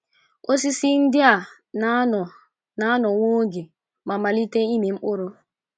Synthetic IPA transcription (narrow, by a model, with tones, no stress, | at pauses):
ʔo˦si˦si˦ndi˦a˨ | nanɔ˨ | na˦nɔ˨woː˦ɡi˨ | ma˨ma˨li˦tɛ˦i˦mi˨mʔo˦ɾo˨